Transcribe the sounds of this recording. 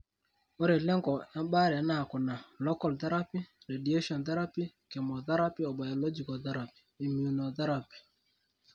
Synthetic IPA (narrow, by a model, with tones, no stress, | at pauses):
o˦ɾe˨lɛ˦ŋɡɔ˨ɛ˦ɓa˦ɾa˨˦na˨kʊ˨na˨lɔ˦kɔ˦˨lt̪ɛ˦ɾa˦pi˦ | ɾe˨di˨e˦ʃɔ˨nt̪ɛ˦ɾa˦pi˦ | kɛ˨mɔ˨t̪ɛ˦ɾa˦pi˦ɔ˨ba˨jɔ˨lɔ˦d͡ʒi˨kɔ˨t̪ɛ˦ɾa˨pi̥˨i˨mju˨nɔ˨t̪ɛ˦ɾa˨pi̥˨